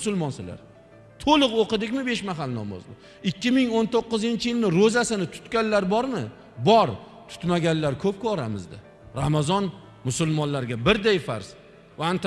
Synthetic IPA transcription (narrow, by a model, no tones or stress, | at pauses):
ʊsʊlˠmɒnsɪla̰ɾ | t̪ʰolˠɨqoqɨd̪ɪkʲmɪbe̞ʃmaɦalnɒ̰mɒ̰zd̪ɪ | ɪkʲːɪmɪŋont̪oqːɨzɪnt͡ʃʰɪjɪlnɪɾozasɪnɪt̪ʰʊ̥t̪kʲanlaɾbɒɾmɪ | bɒɾt̪ʰʊ̥t̪maɡʲanlaɾkʰɵp̚kʰɒɾamɪzd̪ɪ̰ | ɾamazɒn | mʊsʊlmɒnlaɾɡʲabɪɾd̪ajfa̰ɾz̥ | ant̪